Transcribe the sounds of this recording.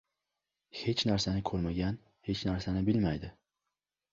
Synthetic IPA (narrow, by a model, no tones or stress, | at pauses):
he̞t͡ʃnaɾsanɪkʰɵɾmaɡʲan | he̞t͡ʃnaɾsanɪbɪlmajd̪ɪ